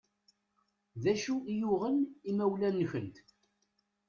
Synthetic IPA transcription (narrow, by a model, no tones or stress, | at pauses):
ðæʃuijʊʁənimæwlænːçənt̪